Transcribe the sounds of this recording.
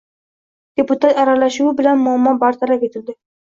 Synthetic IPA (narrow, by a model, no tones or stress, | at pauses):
d̪̥epʊt̪at̪aɾalaʃuwɪbɪlanmʊamːɒbaɾt̪ʰaɾakʲet̪ʰɪld̪ɪ